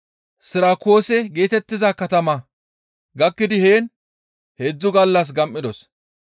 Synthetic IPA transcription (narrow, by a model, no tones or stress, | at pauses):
sɪɾaːko̞ːsɛɡe̞ːt̪ɛt̪ːɪzɐkɐt̪ɐmɐ | ɡɐkːɪd̪ɪheːn | heːd͡zːʊɡɐlːɐs̬ɡɐmʔɪd̪ɔs